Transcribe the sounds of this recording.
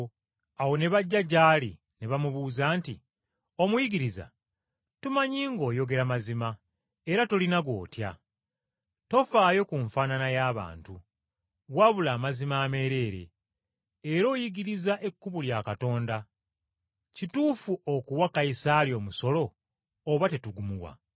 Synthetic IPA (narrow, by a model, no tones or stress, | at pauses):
awo̞ne̞βaɟːaɟaːli | ne̞βamuβuːzaːntḭ | o̞mujiɡiɾiza̰ | tumaɲiːŋɡo̞ːjo̞ɡe̞ɾamazima | e̞ɾato̞linaɡwo̞̰ːtja̰ | to̞faːjo̞kuɱfaːnanajaːβa̰ːntu | βwaβulaːmazimaːme̞ɾe̞ːɾe̞̰ː | ɾo̞ːjiɡiɾizaʔe̞kːuβuljaːkato̞ːnda | cituːfuʔokuwakajisaljo̞ːmuso̞lo̞ː | βate̞tuɡumuwa̰